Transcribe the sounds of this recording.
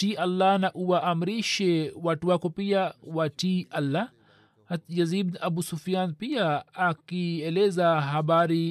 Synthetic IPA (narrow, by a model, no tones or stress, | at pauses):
tiʔalːanaʔuwaʔamɾiʃɛwatuwakɔpiawatiʔalːa | jaziddabusufijanpiaːkiɛlɛzaɦaɓaɾi